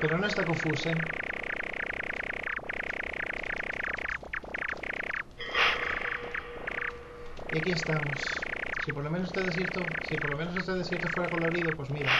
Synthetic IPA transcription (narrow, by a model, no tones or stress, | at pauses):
pe̞ɾono̞est̪ako̞ɱfuse | iakie̞st̪amosːipo̞ɾlo̞me̞nosst̪eðes̬jiɾt̪osipoɾlo̞me̞nosest̪eðesjeɾt̪ofwe̞ɾako̞lo̞ɾiðopwe̞zmiɾa